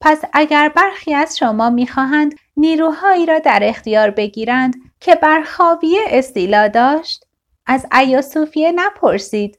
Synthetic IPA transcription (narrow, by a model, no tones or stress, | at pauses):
pʰæsæɟæɾbæɾxiːæz̥ʃomɒːmiːxɒːɦænd̪ | niːɾuːhɒːiːɾɒːd̪æɾe̞xt̪ijɒːɾbe̞ɡiːɾænd̪̥ | cʰe̞bæɾxɒːvijeʔest̪iːlɒːd̪ɒːʃt̪ | ʔæzæjɒːsuːfie̞næpʰoɾsiːd̪̥